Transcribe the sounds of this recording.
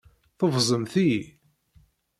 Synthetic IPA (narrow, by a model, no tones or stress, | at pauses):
θəvzˤəmθi